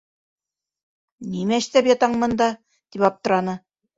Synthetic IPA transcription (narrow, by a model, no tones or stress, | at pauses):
nimæʃt̪æpjɑt̪ɑɴmɤ̆nd̪ɑ | t̪ipɑp̚t̪ɤ̆ɾɑnɤ